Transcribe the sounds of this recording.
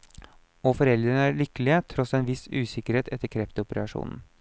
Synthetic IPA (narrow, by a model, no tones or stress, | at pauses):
ɔfɔɾɛld̪ɾənəæɾɭʏkəlɪət̪ʰɾɔsenʋɪsʉːsɪkəɾheːt̪ɛt̪ːəɾkʰɾɛft̪əʊpəɾɑʂṵːnn̩